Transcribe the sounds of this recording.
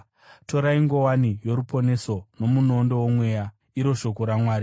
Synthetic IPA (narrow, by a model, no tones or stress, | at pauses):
to̞ɾaiŋɡo̞wanijo̞ɾupo̞ne̞so̞no̞muno̞ndo̞womwe̞ja | iɾo̞ʃo̞ko̞ɾamwaːɾi